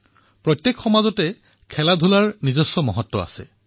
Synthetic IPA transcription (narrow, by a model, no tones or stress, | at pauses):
pɹɔtjekxɔmazɔtɛ | kʰɛladʱulaɹnizɔsːɔmɔɦɔtːɔa̰sɛ̰